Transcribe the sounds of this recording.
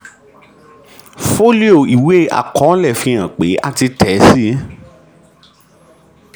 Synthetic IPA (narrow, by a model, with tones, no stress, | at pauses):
fo˦li˦o˦˨i˨we˦˨ʔa̰˨kɔ̃˨˦lɛ˦˨fĩ˧ã˨k͡pe˨˦a˦˨ti˧tʰɛ˨˦si˦